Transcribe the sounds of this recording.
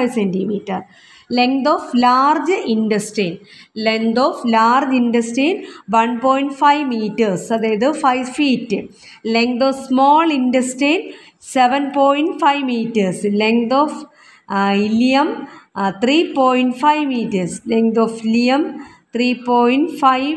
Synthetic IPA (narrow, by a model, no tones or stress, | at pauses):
jsendimiːʈːɐr | leŋd̪oːflaːrd͡ʑɨinɖɐsʈeːn | leŋd̪oːflaːrd͡ʑinɖɐsʈeːnʋɐnpoːjiɳʈfɐjʋmiːʈːɐrsɐd̪aːjɐðɨfɐjfiːtːɨ | leŋkd̪oːfsmoːlinɖɐsʈeːn | seʋɐnpoːjinʈfɐjʋmiːʈːɐrsleŋd̪oːf | ilijɐmt̪ʰriːpoːjiɳʈfɐjʋmiːtːɐrsleŋd̪oːfilijɐm | t̪ʰriːpoːjinʈfɐjʋ